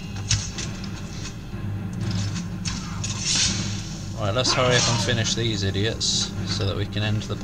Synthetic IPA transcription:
ɔɹaɪʔlətshʌɹiəpə̃nfɪnɪʃðiːzɪdiətssəʊðə̰ʔwikʰə̃nɛ̃nðəpʰ

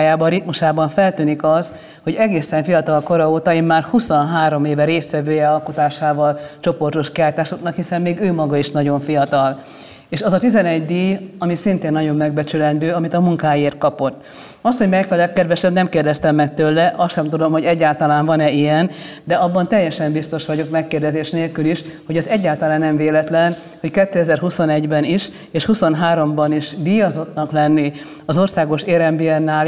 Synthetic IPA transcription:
jaːbɒɾit̪muʃaːbɒɱfɛlt̪yːnikɒz | ho̞ɟɛɡeːsɛɱfijɒt̪ɒlko̞ɾɒoːt̪ɒeːmmaːrhusonɦaːɾo̞meːvɛɾeːsʋɛvøːjɛɒlkut̪aːʃaːvɒlt͡ʃo̞po̞rt̪o̞ʃkiaːjt̪aːʃoknɒkhisɛmːeːɡøːmɒɡɒiʃnɒɟo̞ɱfijɒt̪ɒl | eːʃɒzɒt̪izɛnɛɟd̪ijɒmisint̪eːnːɒɟo̞mːɛɡ̚bɛt͡ʃylɛnd̪øːɒmit̪ɒmuŋkaːjeːrt̪̚kɒpo̞t̪ː | ɒst̪ho̞ɟmɛkːɒlɛkːɛd̪ʋɛʃɛbnɛmkeːrd̪ɛst̪ɛmːɛk̚t̪ølːɛʔɒsʃɛmt̪ud̪o̞mho̞ɟɛɟːaːlt̪ɒlaːnvɒnɛijɛnd̪ɛɒbːɒnt̪ɛjːɛʃɛmbist̪o̞ʃʋɒɟo̞kmɛkːeːrd̪ɛzeːʃneːlkyliʃho̞ɟɛzɛɟːaːlt̪ɒlaːnːɛmveːlɛt̪lɛn | ho̞ckɛt̪ːøɛzɛrɦuso̞nɛɟbɛniʃ | eːʃhuso̞nɦaːɾo̞mbɒniʃd̪iːjɒzo̞t̪nɒklɛnːi | ɒzo̞rsaːɡo̞ʃeːɾɛmbiɛnːaːl

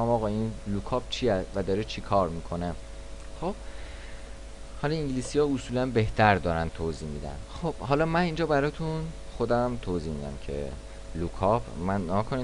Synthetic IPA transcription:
mɒːɣɒinlukʰɒːb̚t͡ʃʰiævæd̪ɒːɾet͡ʃʰikʰɒːɾmiːkʰo̞ne | χob̥̚ | hɒlɒĩŋɟliːsijɒːosuːlænbeht̪ʰæɾd̪ɒːɾænt̪ʰoːziːhmid̪æ̰nxob̥hɒlɒmænind͡ʒɒːbæɾɒːt̪ʰun | xod̪æmt̪ʰoːziːhmid̪æ̰mcʰḛ | lukʰɒpmænːeɡɔːkʰoni

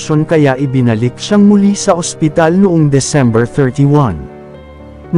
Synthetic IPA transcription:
ʃonkɐjaʔɪbɪnɐlik̚ʃaŋmʊlisɐʔospɪt̪alnʊʔoŋd̪ɛsɛ̃mbɛɹθɛɹt̪iwɐ̃n | n

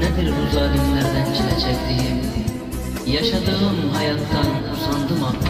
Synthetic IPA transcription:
nɛd̪iɾbuzɑːd̪imlæɾd̪ænt͡ʃʰilɛt͡ʃʰɛkʲd̪ijim | jɑʃɑd̪ɯʁɯmɦɑjɑt̪ːɑnusɑnd̪ɯmɑ

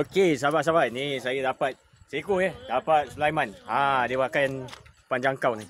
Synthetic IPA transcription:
okesabaʔs̬abanisajadapat̪̚ | sikujadapat̪̚slajmanãdibakajnpand͡ʒaŋkawni

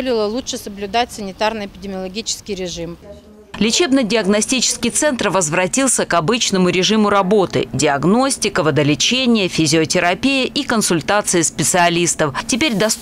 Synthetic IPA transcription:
lʲɪlˠəlˠutʂɨsəblʲʊd̪atʲsənʲɪt̪arnɨjɪpʲɪdʲɪmʲɪəlˠɐɡʲit͡ɕɪ̥skʲɪjɾʲɪʐɨm | lʲɪt͡ɕe̞bnɨjdʲɪɐɡnɐsʲtʲit͡ɕɪ̥skʲɪjt̪sɛnt̪rvəzvrɐtʲilˠsʲəkɐbɨt͡ɕnəmʊɾʲɪʐɨmʊɾɐbo̞t̪ɨ̰dʲɪɐɡno̞sʲtʲɪkəvəd̪əlʲɪt͡ɕenʲɪjəfʲɪzʲɪotʲɪɾɐpʲijəʔikənsʊlʲt̪at̪sɨɪspʲɪt̪sɨɐlʲist̪əftʲɪpʲeɾʲd̪ɐs

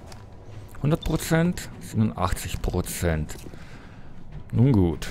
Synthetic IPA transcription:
hʊndɐt̚pʁ̥ot͡sɛntz̥ɪnunʔa̰χt͡sɪçpʁ̥ot͡sɛnt | nuːnɡuːt

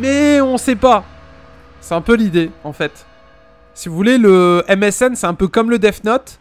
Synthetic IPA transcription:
mɛɔ̃sɛpa | sɛɛ̃pølid̪eɑ̃fɛt̪ | sivuvuleləɛmɛsɛnsɛɛ̃pøkɔmləd̪ɛfnɔt̪

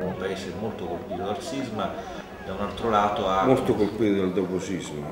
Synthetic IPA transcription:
umpaeːsemolt̪okolpiːt̪od̪alsizma | d̪aunalt̪ɾolaːt̪oamolt̪okolpiːt̪od̪ald̪oposizmo

